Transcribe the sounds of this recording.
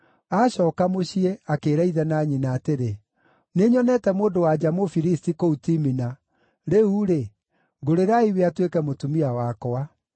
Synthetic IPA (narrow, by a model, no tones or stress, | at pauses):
aɕɔːkamoɕiɛakeɾaiðɛnaɲinaːteɾe | neɲɔnɛtɛmoːndowad͡ʑamofiɾistikoutimina | ɾeuɾe | ɡoɾeɾaiweatwekɛmotumiawakɔa